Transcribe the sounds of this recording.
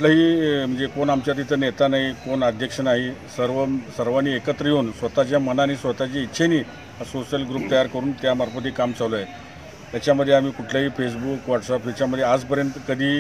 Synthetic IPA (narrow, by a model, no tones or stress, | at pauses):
uʈ̪laɦiːm̤əɳd͡zekonamt͡ɕjat̪̬it̪ənjet̪anaɦikonəd̪ʱjəkʂənaɦisəɾʋəsəɾʋaniːekət̪ɾəjoːnsʋət̪at͡ɕjamənanisʋət̪at͡ɕeit̪ːɕʰeniː | asosəlɡɾuːp̚t̪əjaɾkəɾuːnt̪jamaɾpət̪ikamt͡saloe | t̪jat͡ɕjaməd̪ʱjeam̤iːkuʈʰljaɦiːfes̬bukʋaʈsapɦit͡ɕaməd̪ʱːjead͡zpəɾjənt̪əkəd̪ʱiː